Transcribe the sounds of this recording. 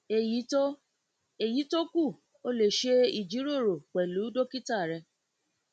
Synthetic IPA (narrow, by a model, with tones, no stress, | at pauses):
e˨ji˨˦t | e˨ji˨˦to˦ku˦˨ | o˦le˨ʃe˦i˨d͡ʒi˨˦ɾo˦˨ɾo˨k͡pɛ˨lu˨˦do˦ki˦ta˦˨ɾɛ˧